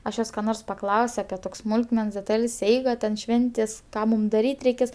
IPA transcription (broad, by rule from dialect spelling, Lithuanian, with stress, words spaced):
ɐʃ ˈjoːs kɐ ˈnoːrs pɐˈklˠɐʊsʲ ɐpʲɪ ˈtoːkʲsʲ ˈsmʊlˠkmʲɛns dʲɛˈtɐlʲsʲ ˈɛɪɡɐ tʲɛn ˈʃʲʋʲɛnʲtʲeːsʲ ˈkɑː muːm dɐˈrʲiːtʲ rʲɛɪˈkʲeːs